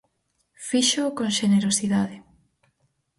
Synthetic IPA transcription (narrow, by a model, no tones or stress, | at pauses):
fiʃokõŋʃeneɾosiðaðɪ